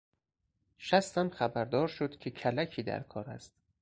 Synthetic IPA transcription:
ʃæst̪æmxæbæɾd̪ɒːɾʃod̪kʲʰe̞kʰælækʰiːd̪æ̰ɾkʰɒːɾæ̰st̪̚

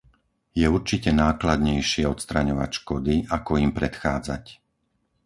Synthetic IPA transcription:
jɛuɾt͡ʃicɛnaːklad̪ɲɛjʃɪɛɔt̪st̪ɾaɲɔʋa̰cʃkɔd̪iakɔimpɾɛt̪xaːd͡za̰c

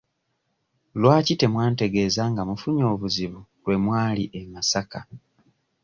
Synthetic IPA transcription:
lwaːcite̞mwaːnte̞ɡe̞ːzaŋɡamufuɲo̞ːβuziβulwe̞mwaːliʔemasaka

